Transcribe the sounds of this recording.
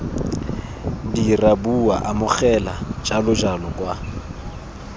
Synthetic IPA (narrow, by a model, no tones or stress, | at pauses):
dirabua̰ʔamʊχɛlad͡ʒʼalʊd͡ʒalɔkʼwa